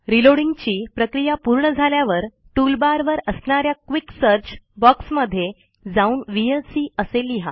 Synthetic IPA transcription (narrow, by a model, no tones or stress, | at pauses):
ɾiloɽiŋɡt͡ɕiːpɾəkɾijapuɾɳəd͡zʱaljaʋəɾ | ʈulbaɾʋəɾəsɳaɾjakʋiksəɾt͡ɕbɔksməd̪ʱːje | d͡zauːnʋielsiːəseliɦa̰